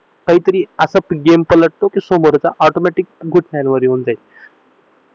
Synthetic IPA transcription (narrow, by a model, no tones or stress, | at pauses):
kaɦiːt̪əɾiːəsəpɡempələʈ̚t̪okisomoɾt͡saʔɔʈomɛʈik̚ɡʱuʈʰmanʋəɾiɦond͡zajt̪